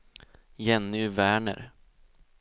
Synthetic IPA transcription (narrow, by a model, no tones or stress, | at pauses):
jɛnːʏvæːɳə̰ɾ